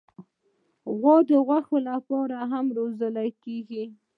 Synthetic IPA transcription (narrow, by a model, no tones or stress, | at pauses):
ɣwɑd̪əɣwaxolapɑɾaɦamɾozəlakeɡi